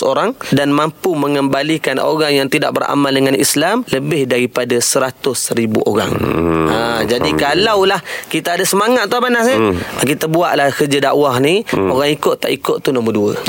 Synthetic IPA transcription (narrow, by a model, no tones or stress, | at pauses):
oɾaŋdanmampuməŋəmbalikano̰ɣaŋjaŋt̪ida̰ʔ̚bəɾa̰maldəŋanḭslamləbɪhdaɾipadasəɾat̪ʊsəɾibṵʔo̰ɾa̰ŋad͡ʒadikalawlahkit̪aːdasəmaŋat̪̚t̪ːabanasəkit̪abuaʔlahkərd͡ʒadaʔwahnioɣaŋikʊt̪ːaʔikʊt̪t̪ːunumərduə̰